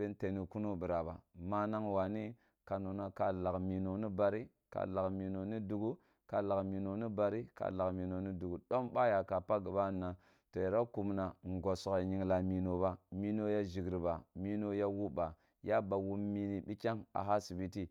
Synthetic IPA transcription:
e˦n˦te˨ni˨ku˦no˦bi˨ɾa˨ba̰˨ma˦na˦ŋwa˨ni˦ | ka˨no˨na˦ka˨la˨kmi˨no˨ni˦ba˨ɾi˦ | ka̰˨la˨kmi˨no˨ni˦du˨ɡu˦ | ka̰˨la˨kmi˨no˨ni˦ba˨ɾi˦ka̰˨la˨kmi˨no˨ni˦du˨ɡu˨ɗo˦mba˦ja˨ka˨pa˦ɡi˨ba˦˨nːa˨ | to˨ja˨ɾa˦ku˨mna˨ŋ˨ɡo˨so˨ka˨ɲi˨ŋla˨mi˨no˨ba˦mi˦no˦ja˦ʒi˨ɡɾi˨ba˨mi˦no˦ja˦wu˦ba˨ | ja˦ba˨wu˦mmi˨˦ni˨bi˦t͡ʃʲa˦ŋa̰˨ɦa˦si˨bi˦ti˦

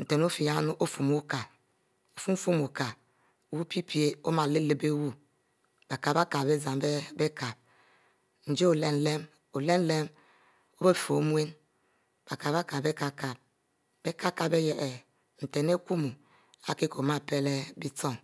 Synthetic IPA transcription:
n̩˨te˨n˦o˦fi˨ja˦nu˦ʔo˦fu˨mu˦ka˨ | o˨fu˦m˦fu˦mu˨ka˨ | wu˦pi˦pʰi˦e˦o˦ma˨le˦le˦be˦wu˦ | b̥a˨ka˨ba˦ka˨be˦za˨mbbe˦ka˨b̚ | n̩˨d͡ʒe˦o˨le˦n˨le˦m | o˨le˦n˦le˦m | o˦be˦˨fo˨˦mwe˦n | b̥a˨ka˨ba˦ka˨be˦ka˨ka˨b̚ | b̥e˦ka˦ka˨be˦je˨ʔe˨ | n̩˨te˨ne˦ku˦mu˨ | a˦ki˦ko˨ma˦˨pe˦le˦bi˦to˦˨n

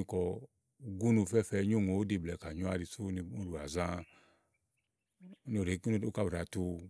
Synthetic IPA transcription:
i˧kɔ˧ | u˧ɡu˦nu˧˨fɛ˦˨fɛ˧˦ɲo˦˨ŋo˨o˦de˧˨blɛ˨ka˨ɲɔ˦a˧ɾi˧su˦ni˧˦u˦ɾu˨a˨zã˧˦ | no˨ɾe˨˦ko˦ka˧˨ɾa˨tu˧

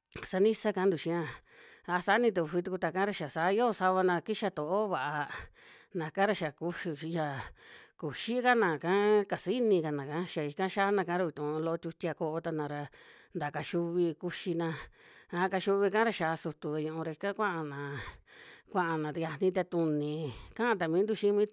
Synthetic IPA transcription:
sa˧nĩ˦sa˦kã˧˦nd̪u˨ʃĩ˧ã˧ | a˧sa˧˦nĩ˧t̪̬u˧˨˧ɸi˧t̪u˧ku˧t̪a˧˨kã˦ɾa˧ʃa˨sa˨˦jo˦˧sa˧βa˧nã˧ki˦ʃa˧t̪o˨ʔo˦βa˨ʔa˧ | nã˨kã˦ɾa˧ʃa˨ku˧ʃi˧ja˧˨ku˨ʃi˦ka˦nã˨kã˦ka˨si˦nĩ˧ka˨nã˨kã˨˧˦ʃa˨i˧kã˦ʃa˦nã˧ka˧˦ɾa˧βi˧t̪ũ˨˧lo˦o˧t̪ʲu˧t̪ʲi˧a˧ko˧ʔo˧t̪a˧nã˨ɾa˧ | nd̪a˨ka˧ʃu˧βi˧ku˧ʃi˧nã˧a˧˦˧ka˧ʃu˧βi˧kã˦ɾa˧ʃa˨˧su˧t̪u˨βe˧ɲũ˧ũ˧ɾa˧i˧kã˦kʷã˦ʔa˧nã˨ | kʷã˧ʔa˧nã˨˧ja˧nĩ˧˦t̪̬e˧t̪u˧nĩ˨kã˦ã˧t̪a˧mĩ˦nd̪u˦˧ʃi˦mĩː˦

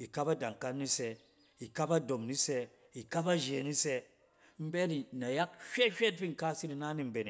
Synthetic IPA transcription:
i˨ka˦pa˦da˨ŋ˨ka˦nːi˦se˧ | i˨ka˦pa˦do˨mni˦se˧ | i˨ka˦pa˦ʒe˨ni˦se˦ | m̩˦be˦ti˨na˨ja˦khʲe˦hʲe˦t̚bi˦ŋ̩˨ka˦si˦ɾi˨na˦ni˦m̩˦be˨ni˨

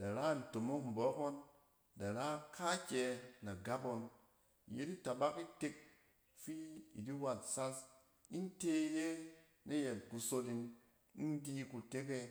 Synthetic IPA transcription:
d̥a˨ɾa˦˨n̩˨to˨mo˦km̩˨bɔ˨˦ko˦n | da˨ɾa˦kʰa˦kʲɛ˧na˨ɡa˦bo˧n˨ | je˦di˦ta˨ba˦ki˦te˧k̚ | fi˦ḭ˨di˦wa˨t̚sa˦s | i˦n˦te˦˧je˦ | ne˦je˨nku˧so˧li˧n | i˦n˦di˦ku˧te˦ke˧

